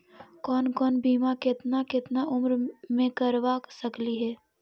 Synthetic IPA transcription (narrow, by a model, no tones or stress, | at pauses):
kɔːnkɔːnbʱiːmakɪt̪nakɪt̪naʔʊmɾmẽkəɾʋaksəkliɦɛː